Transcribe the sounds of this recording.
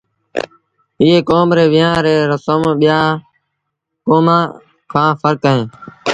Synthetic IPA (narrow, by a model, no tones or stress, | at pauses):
ɪːeːkoːmɾeːʋɪjãːɾeːɾəsəmɓɪjaː | koːmãː | kʰãːfəɾkəɦẽː